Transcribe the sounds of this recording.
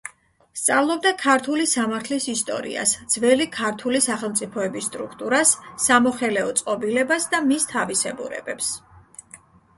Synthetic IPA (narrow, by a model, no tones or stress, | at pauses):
st̪sʼavlˠɔb̚d̪akʰaɾt̪ʰulisamaɾt̪ʰlisist̪ʼɔ̰ɾḭa̰sd̪z̥vɛlikʰaɾt̪ʰulisaχɛlˠmt̪sʼipʰɔɛbist̪ʼɾukʰt̪ʼuɾasːamɔχɛlɛɔt̪sʼqʼɔbilɛbasd̪amist̪ʰavisɛbṵɾɛ̰bɛps